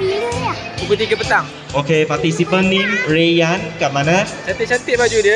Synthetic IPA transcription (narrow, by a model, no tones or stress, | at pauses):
buɡut̪iɡəpət̪aŋ | okepat̪isipə̃nːĩɹejankaʔ̚manãt̪̚t͡ʃant̪ɪʔt͡ʃant̪ɪʔbad͡ʒudiə